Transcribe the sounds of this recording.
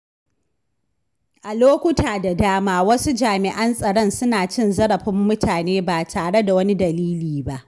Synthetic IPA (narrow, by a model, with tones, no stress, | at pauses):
ʔa˨loː˦kʷʊ˦taː˨da˨daː˦maː˦wɐ˦su˦d͡ʒaː˨mɪ˨ʔɐ˦nsʼɐ˨ɽɔ˦nsʊ˦naː˨t͡ʃɪ˦nzɐ˦ɽɐ˨ɸɪ˦mːʊ˦tʰaː˨neː˦baː˨tʰaː˨ɽe˦da˨wɐ˦ni˦dɐ˨liː˦liː˨ba˦ʔ